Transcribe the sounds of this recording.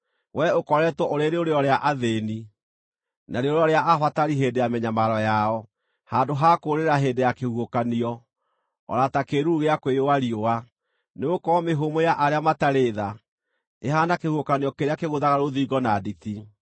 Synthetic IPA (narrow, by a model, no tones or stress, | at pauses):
wʔɛokɔɾɛtwɔʔoɾeɾeoɾeɔɾeaʔaðeni | naɾeoɾeɔɾeaʔafataɾiɦeːndejamɛɲamaɾɔjaɔ | hadoɦakoɾeɾaɦeːndejakehuokaniɔ | ɔ̰ɾatakeɾuɣeakwejowaɾioa | neokɔmeɦomojaʔaɾeamataɾeða | eɦaːnakehuokaniɔkeɾeakeɣoðaɣaɾoðiːɡɔnaditi